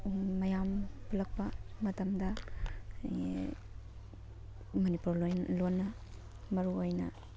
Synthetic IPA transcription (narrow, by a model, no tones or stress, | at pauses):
mɐjampulɐk̚pɐmɐtɐmdɐ | mɐnipuɾlonːɐ | mɐɾuojnɐ